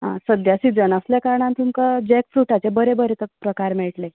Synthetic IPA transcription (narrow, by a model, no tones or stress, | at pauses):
ɦãsəd̪jasid͡zənəsljakaɾɳãnt̪ʰumkəd͡ʑɛkfɾuʈat͡sebəɾebəɾet̪əpɾəkaɾmiɭʈle